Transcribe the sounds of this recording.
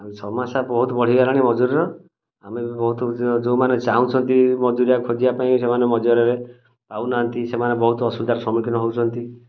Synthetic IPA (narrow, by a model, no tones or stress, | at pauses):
amesɔmasabɔɦut̪ɔbɔɽ̤iɡaɾaɽ̃imɔd͡ʒuɾiɾɔ | amebɔɦut̪ɔd͡ʒomanet͡ʃaɦũt͡ʃʰɔnt̪imɔd͡ʒuɾijakʰod͡ʒibapaĩsemanemɔd͡ʒɔɾɔɾe | pawnant̪isemanebɔɦut̪ɔɔsbid̪ʱaɾsɔmɾkʰinɔɦewt͡ʃʰɔnt̪i